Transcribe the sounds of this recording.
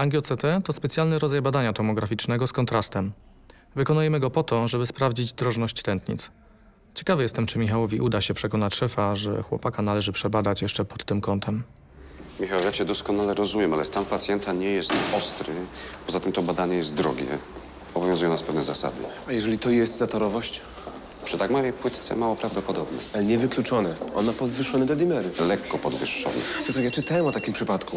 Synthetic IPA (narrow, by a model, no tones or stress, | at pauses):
aŋɡʲjɔt̪sɛt̪ɛt̪ɔspɛt̪sʲjalnɘɾɔd̪zajbad̪aɲat̪ɔmɔɡɾafʲit͡ʂnɛɡɔskɔnt̪ɾast̪ɛm | vɘkɔnujɛmɘɡɔpɔt̪ɔʐɛbɘspɾavd͡ʑid͡ʑd̪ɾɔʐnɔɕt͡ɕt̪ɛnt̪ɲḭt̪s | t͡ɕɛ̥kavɘjɛst̪ɛmt͡ʂɘmʲixawɔvʲiʔud̪aɕɛpʂɛkɔnat͡ɕʂɛfaʐɛ̰xwɔ̰pakanalɛʐɘpʂɛbad̪at͡ɕjɛʂt͡ʂɛpɔt̪ːɘmkɔnt̪ʰɛm | mʲixawɛjaɕɛd̪ɔskɔnalɛɾɔzumʲjɛmalɛst̪anpat̪sʲjɛnt̪aɲɛjɛst̪ɔst̪ɾɘpɔzat̪ɘmt̪ɔbad̪aɲɛjɛst̪̚d̪ɾɔɡʲɛ̰ | ɔbɔvjɔ̃zujɔ̃naspɛvnɛzasa̰d̪ɘ̰ | ajɛʐɛlʲit̪ɔjɛst̪zat̪ɔɾɔvɔɕt͡ɕ | pʂɨ̥t̪aɡmavʲjejpwɘt̪t̪sɛ̰mawɔpɾavd̪ɔpɔd̪ɔbnɛ̰alɛɲɛvɘklut͡ʂɔnɛʔɔ̰nmapɔd̪vɘʂːɔnɛd̪ɔd̪ʲimɛɾɘlɛkːɔpɔd̪vɘ̰ʂːɔ̰nɛ̰ut̪ajat͡ʂɘt̪awɛmɔt̪akʲimpʂɘpat̪ku